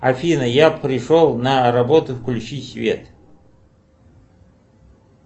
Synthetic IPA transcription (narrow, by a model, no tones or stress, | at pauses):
ɐfʲinəjapʰɾʲɪʂolˠnaɾɐbot̪ʊfklʲuʃisvʲḛt̪